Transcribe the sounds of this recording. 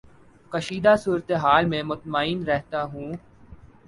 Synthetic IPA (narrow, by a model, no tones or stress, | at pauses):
kəʃiːd̪asuːɾət̪eɦaːlmẽmʊt̪maːiːnɾɛɦt̪aɦũː